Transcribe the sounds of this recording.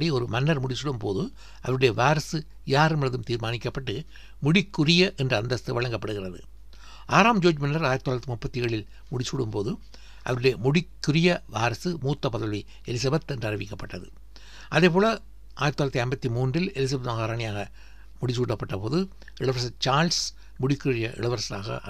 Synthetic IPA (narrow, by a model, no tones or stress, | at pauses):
ɽiɔɾɯmɐnːɐɾmʊɽɪsuɽɯmpoːðɯ | ʔɐʋɐɾɯɽejɐʋaːɾɐsɯ | jaːɾɯmɪlɐðɯmt̪iːɾmaːnɪkːɐpːɐʈːɯ | mʊɽɪkːʊrɪjɐʔɛndrɯɐnd̪ɐst̪ːɯʋɐɭɐŋɡɐpːɐɽɯɣɪrɐðɯ̰ | aːɾaːmd͡ʒoːd͡ʒmɐnːɐɾaːjɾɐt̪ːoaːɾɐt̪ːimʊpːɐt̪ːɪjeːɭɪl | mʊɽɪsuɽɯmpoːðɯ | ʔɐ̰ʋɐɾɯɽeɐmʊɽɪkːɯrɪjɐʋaːɾɐsɯmuːt̪ːɐpɐðɐlʋi | ɛlɪs̬ɐbɐt̪ɛndrɐrɪʋɪkːɐpːɐʈːɐðɯ̰ | ʔɐðeːpoːlɐ | ʔaːjɪɾɐt̪ːoːɾɐt̪ːiɐmbɐt̪ːimuːndrɪlɛlɪs̬ɐbɐt̪maɣaːɾaːɳɪjaːɣɐ | mʊɽɪsuːɽːɐpːɐʈːɐpoːðɯ | ɪɭɐʋɐɾsɐt͡ʃaːɾls | mʊɽɪkːɯrɪjɐʔɪ̰ɭɐʋɐɾsɐla̰ːɣɐ̰